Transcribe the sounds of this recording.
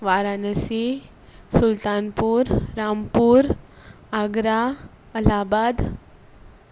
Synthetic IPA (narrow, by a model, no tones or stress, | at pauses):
ʋaɾanəsi | sult̪anpuːɾɾampuɾ | aɡɾa | əlabad̪